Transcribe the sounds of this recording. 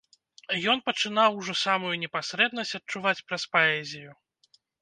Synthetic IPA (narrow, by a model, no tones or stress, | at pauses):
jɔnpɐt͡ʂɨnawʐɔsamujunʲɛpasɾɛd̪nɐsʲt͡sʲɐt̚t͡ʂuvat͡sʲpɾɐspaɛzʲiju